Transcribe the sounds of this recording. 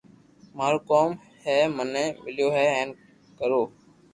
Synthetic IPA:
maːɾoːkoːm | heːmənẽːmɪljoːɦeːɛːn | kəɾoː

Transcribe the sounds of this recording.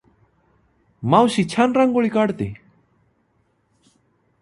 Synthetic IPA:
mawsit͡ɕʰanɾaŋɡoɭikaɾt̪i

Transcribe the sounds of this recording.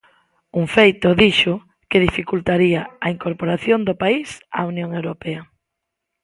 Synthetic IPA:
uŋfejt̪ʊðiʃo | keðifikult̪aɾiaɐiŋkoɾpoɾaθjond̪opaisa̰unjõŋewɾopɛɐ

